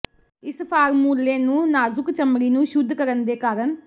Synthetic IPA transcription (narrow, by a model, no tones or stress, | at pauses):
ɪspʰaːɾmuːlːeːnũːnaːzʊkt͡ʃəmɽiːnũːʃʊd̪ʱːkəɾənd̪eːkaːɾəɳ